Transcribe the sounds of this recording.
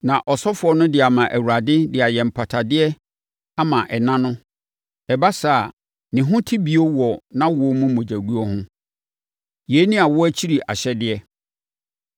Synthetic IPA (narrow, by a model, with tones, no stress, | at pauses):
nã˨ʔɔ˨sɔ˦fʊ˨ɔ˦nʊ̃˦dɪ˨a˨mã˨ʔæ˨wu˨ɾa˨dɪ˦dɪ˨a˨jɛ̃˨m̩˨pʰa˨tʰa˨dɪ˦ɛ˦ | a˦mã˨ʔɛ˨nã˦nʊ̃˦ | ɛ˨ba˦sa˦˨ | nɪ̃˨ɦʊ̃˦tʰi˦bi˨o˦wɔ˨nã˦wɔ˨ɔ˦mũ˦mɔ̃˨d͡ʑæ˨ɡu˦ɔ˦hʊ̃˦ | jeː˨˦nĩ˦a˨wɔ˦æ˦t͡ɕʰi˦ɾi˨ʔa̰˨ɕɛ˦dɪ˦ɛ˦